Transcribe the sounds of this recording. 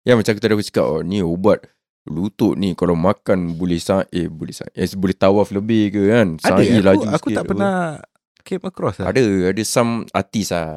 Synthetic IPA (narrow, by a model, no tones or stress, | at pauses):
jamat͡ʃak̬ut̪adakusi̥ka̰ʔɔniobat̪̚ | lut̪oʔnĩkalawmakanbolɛhsaŋat̪̚ebolɛsa̰ŋa̰ʔʔɛsbolɛht̪awafləbɪhkəkansaailad͡ʒuaskut̪apəna | keməkɾɔsaa̰dəadəsama̰t̪isa